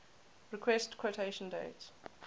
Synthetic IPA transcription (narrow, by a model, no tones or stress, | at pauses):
ɹikʰwɛstkʰwotʰeɪʃə̃ndeɪt